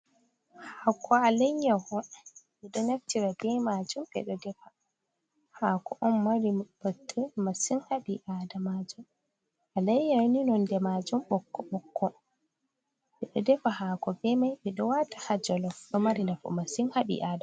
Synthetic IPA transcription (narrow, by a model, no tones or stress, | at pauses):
hakʰɔalajɲahɔɓɛɗɔnaftiɾabɛmad͡ʒumbɛ̰ɗɔdɛfa | haːkʰɔʔɔmːaɾib̥ətʰːəmasinhaɓiʔaːdamad͡ʒum | alajɲawninɔndɛmad͡ʒumɓɔkːɔɓɔkʰːɔ | ɓɛɗɔdɛfahaːkɔbɛmajɓɛɗɔwatḁhad͡ʒɔlɔɗɔmaɾinafɔ̰masinhaɓḭʔada